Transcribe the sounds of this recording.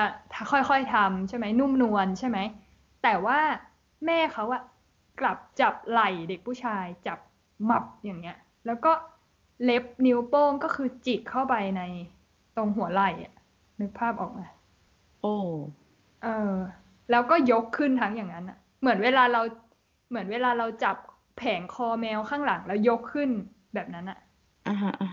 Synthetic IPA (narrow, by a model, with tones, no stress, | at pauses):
ʔa˧˩t̪ʰaː˥˩xʰɔ˥˩jxɔ˥˩jt̪ʰa˧mt͡ɕʰa˥˩jma˦˥jnu˥˩mnu˧ənt͡ɕʰa˥˩jma˦˥j | t̪ɛː˨˩waː˥˩ | mɛː˥˩kʰa˦˥wʔa˨˩ | kla˨˩p̚t͡ɕa˨˩p̚la˨˩jde˨˩k̚pʰuː˥˩t͡ɕʰaː˧jt͡ɕa˨˩p̚ | ma˨˩p̚jaː˨˩ŋni˦˥ɐ | lɛː˦˥wkɔː˥˩ | le˦˥p̚ni˦˥wpoː˥˩mkɔː˥˩kʰɯː˧t͡ɕi˨˩t̪̚kʰa˥˩wpa˧jna˧j | t̪o˧ŋɦu˩˦ɐ˦la˨˩jʔa̰˨˩ | nɯ˦˥k̚pʰaː˥˩p̚ʔɔ̰ː˨˩k̚maː˧ | ʔoː˧˩ | ʔɤː˧ | lɛː˦˥wkɔː˥˩jo˦˥kʰːɯ˥˩nt̪ʰa˦˥ŋjaː˨˩ŋa˦˥nʔa˨˩ʔ | mɯ˩˦ənweː˧laː˧ɾa˧w | mɯ˩˦ənweː˧laː˧ɾa˧wt͡ɕa˨˩p̚ | pʰɛː˩˦ŋkʰɔː˧mɛː˧wkʰaː˥˩ŋla˩˦ŋlɛː˦˥wjo˦˥kʰːɯ˥˩n | bɛː˨˩p̚na˦˥nʔa˨˩ʔ | ʔa˧ɦa˦˥ʔa˧